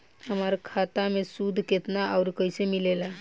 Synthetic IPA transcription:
ɦəmaɾkʰat̪amesud̪ʱket̪naʔawɾkəjsemilela

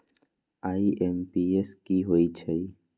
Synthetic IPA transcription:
aːiʔempieskiɦoit͡ʃʰəi

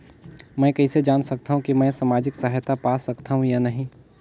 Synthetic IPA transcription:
mɛ̃kɐɦised͡ʒaːnsɐk̚t̪aɦũkimɛ̃ːsaːmaːd͡ʒɪksaːɦjt̪apaːsɐkt̪aɦũjanɐɦĩ

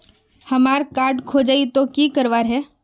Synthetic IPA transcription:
həmaːɾkaːɾɖkʰod͡ʒait̪okiːkəɾʋaːɾɦɛ

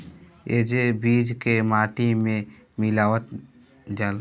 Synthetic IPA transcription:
ed͡ʒebiːd͡ʒkemaːʈimẽ | mɪlaːʋət̪ | d͡ʒaːl

